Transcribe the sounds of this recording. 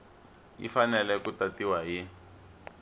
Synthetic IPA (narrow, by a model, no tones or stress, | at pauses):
ḭfanɛlɛkutatiwaɦi